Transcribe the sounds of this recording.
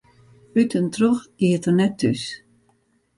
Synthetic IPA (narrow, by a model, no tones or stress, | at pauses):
ytəntroxiətərnɛtʰːys